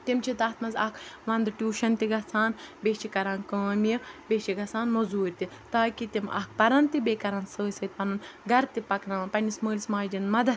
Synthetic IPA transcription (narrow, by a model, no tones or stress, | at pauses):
t̪imt͡ʃʰit̪ɐːt̪ʰmɐnzɐkʰʋɐnd̪ʈʲjuːʃɐnt̪iɡɐt͡sʰaːnbʲeːt͡ʃikɐɾaːnkəɐmiɐbʲet͡ʃʰiɡɐt͡sʰaːnmɐzuːɾʲt̪i | t̪aːkit̪imɐ̰k̚ʰpɐɾɐnt̪ibeːkɐɾɐnsəːsʲɐːt̪̚ʲpɐnɐnɡɐɾt̪ipɐknɐʋɐpɐnʲisməːlʲsmaːjd͡ʒinmɐd̪ɐ